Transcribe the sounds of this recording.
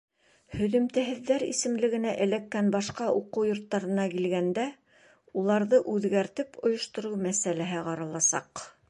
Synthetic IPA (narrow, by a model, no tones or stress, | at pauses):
hɵ̆ðɵ̆mt̪æɦɘ̆ðːæɾḭsɘ̆mlɘ̆ɡɘ̆næʔɘ̆lækːænbɑʃqɑuqɤwjŏɾt̪ːɑɾɤ̆nɑkilɡænd̪æ | ulˠɑɾðɤʔʉðɡæɾt̪ɘpŏjŏʃt̪ŏɾɤwmæsælæɦɘqɑɾɑlˠɑsɑ̰q